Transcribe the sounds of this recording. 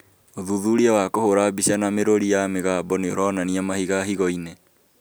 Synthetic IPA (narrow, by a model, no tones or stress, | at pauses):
oðuðuɾiawakohoɾabiɕanameɾoɾijameɣabɔneo̰ɾɔnaniamahiɣahiɣɔine